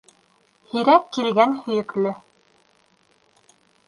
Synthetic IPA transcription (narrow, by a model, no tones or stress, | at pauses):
hiɾækːilɡænhɵ̆jɘ̆klɵ